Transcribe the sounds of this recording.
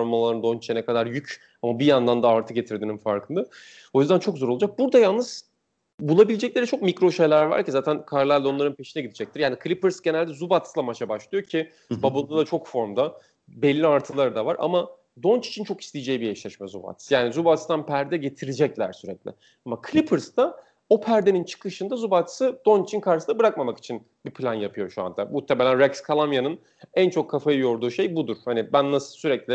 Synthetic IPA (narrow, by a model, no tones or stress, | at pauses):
oɾmalˠaɯnd̪o̞nt͡ʃt͡ʃʰɛnɛkad̪aɾjyc | amabijand̪and̪aːɾt̪ʰɯɟe̞t̪ʰiɾd̪iːninfaɾkʰɯnd̪a | o̞jyzd̪ænt͡ʃʰo̞kzo̞ɾolˠud͡ʒak̚buɾd̪ajalˠnɯz̥ | bulˠabilʲed͡ʒɛclʲeɾit͡ʃʰo̞k̚micɾo̞ʃe̞jlʲæɾva̰ɾcizaːt̪ʰænkʰaɾlʲˠæɾlʲɛo̞nˠaɾɯnpʰe̞ʃinɛɟid̪id͡ʒɛc̚t̪iɾjaːnikʰɯlʲipɯɾsɟe̞nælʲd̪ɛzubat̪slˠamat͡ʃʰabaʃlˠɯjo̞cʰi | babalˠɯd̪ˠat͡ʃʰo̞kfo̞ɾmd̪a | bɛlʲːiaɾt̪ʰɯlˠaɾɯd̪ava̰ɾʔa̰ma | d̪o̞nt͡ʃi̥t͡ʃʰint͡ʃʰo̞ki̥st̪ʲijd͡ʒejibijɛt͡ʃlʲɛʃmɛzuba̰t̪sjaːnizubat̪ʰsd̪anpʰæɾd̪ɛɟe̞t̪ʰiɾid͡ʒɛclʲæ̰ɾsyɾɛclʲɪ̰ | amakʰlʲipʰɯɾsd̪a | o̞pʰæɾd̪e̞nint͡ʃʰɯ̥kɯʃɯnd̪azubat̪ʰɯ̥sɯd̪̥o̞nt͡ʃit͡ʃʰinkʰaɾʃɯsnabɯɾak̚mamaki̥t͡ʃʰin | bipʰlʲanjapʰɯjo̞ʃua̰nd̪amuht̪ʰemelʲænɾɛkskʰalˠamjanɯn | ænt͡ʃʰo̞kʰːafajɯjo̞ɾd̪uːʃe̞jbud̪uɾ̥hanibænːasɯ̥syɾɛclʲi